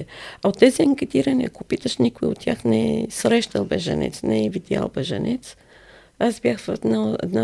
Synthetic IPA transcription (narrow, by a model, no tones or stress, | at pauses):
ɛaot̪ːɛziɛŋkɛt̪iɾɐnḭɐkopit̪əʃnikʊiot̪ːʲjaxnɛɛsɾɛʃt̪əlˠbɛʒɐ̰nɛ̰t̪snɛɛvid̪ʲja̰lˠbɛʒɐ̰nɛt̪s | asbjaxvɛd̪naɛ̰d̪na